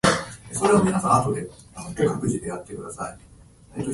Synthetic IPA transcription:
eso̞ɾe̞βamʲinasãat̪o̞d̪e̞ | anokʲːokakɯ̟ʑid̪e̞jat̪ːe̞kɯ̟d̪asai | et̪ːo

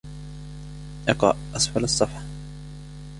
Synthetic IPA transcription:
ʔɑqɑ̰ʔʔɑsˤfalɑsˤːɑfħ

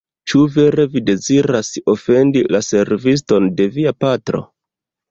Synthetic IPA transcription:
t͡ʃuve̞ɾe̞vide̞ziɾaso̞fe̞ndilase̞ɾvis̬to̞nde̞viapatɾo̞̰

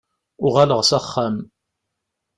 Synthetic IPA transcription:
ʊʁaləʁsæχːam

